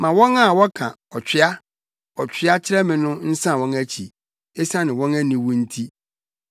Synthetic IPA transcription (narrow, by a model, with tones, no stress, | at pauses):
mã˨wɔ̃˦na˦˨wɔ˦kʰã˨ | ɔ˨t͡ɕᶣɪ˦a˦ | ɔ˨t͡ɕᶣʰɪ˦a˦t͡ɕʰɪ˦ɾɛ˦mɪ̃˨nʊ̃˦n̩˦sã˦˨wɔ̃˦næ˦t͡ɕʰi˨ | e˦sã˦nɪ̃˨wɔ̃˦næ˦nĩ˨wʊ̃˦n̩˦tʰi˦